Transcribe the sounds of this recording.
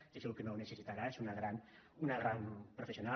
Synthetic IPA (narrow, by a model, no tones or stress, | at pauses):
esilukenownəsəsit̪aɾaesunaɣɾan | unəɣɾanpɾofesiuna